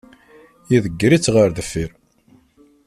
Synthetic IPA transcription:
jiðəɡːɾit͡sːʁəɾðəfːiɾ

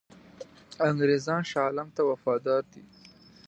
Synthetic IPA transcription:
aŋɡɾezɑnʃɑlamt̪awafɑd̪ɑɾd̪i

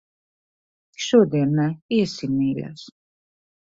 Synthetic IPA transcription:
ʃɔd̪ɛnaiɛsinːɛːla̰s

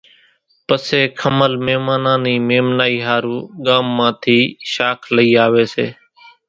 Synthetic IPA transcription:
pəseːkʰəməlmeːmaːnãːniːmeːmnaːiːɦaːɾuːɠaːmːãːt̪ʰiːʃaːkʰləiːaːʋeːsḛː

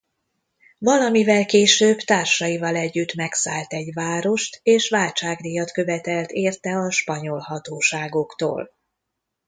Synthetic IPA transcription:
vɒlɒmivɛlkeːʃøːbt̪aːrʃɒivɒlɛɟːyt̪mɛksaːlt̪ɛɟvaːɾo̞ʃt̪eːʃʋaːlt͡ʃaːɡnijɒt̪kø̞vɛt̪ɛlt̪eːrt̪ɛɒʃpɒɲo̞lɦɒt̪oːʃaːɡo̞kt̪o̰ːl

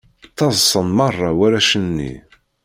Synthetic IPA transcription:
θɑzˤsˤənmɑrˤːɑwæɾæʃənːḭ

